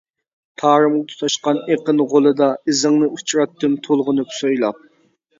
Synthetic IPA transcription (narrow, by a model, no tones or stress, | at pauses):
t̪ʰɑːɾɨmlˠt̪ʰu̥t̪ʰɑʃqɑneqənʁolˠɨd̪ɑɨzɨŋnɨut͡ʃʰɾɑt̪ːɨmt̪ʰolˠʁʊnɨpsojlˠɑp̚